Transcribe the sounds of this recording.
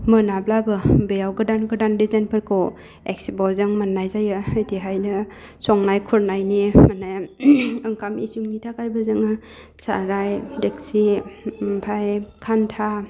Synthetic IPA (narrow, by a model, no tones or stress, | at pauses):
mɯnablabɯbejawɡɯdanɡɯdandizajnpʰɯɾkʰɯw | ek̚sibɔzɯŋmanːajzajɯɯdiɦajnɯ | sɔŋnajkʰuɾnajnimanajɯŋkʰamisuŋnitʰakajbɯzɯŋɯ | sa̰ɾajdek̚simpʰajkʰantʰa